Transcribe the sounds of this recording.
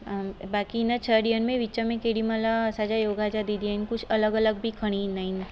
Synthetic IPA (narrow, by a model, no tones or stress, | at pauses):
bakiːnət͡ʃʰəɽiənmẽʋit͡ʃamẽkeɽiməlaːsad͡ʒajoɡad͡ʒad̪id̪iajnkut͡ʃʰələɡələɡ̚bʱikʰəɽ̃inain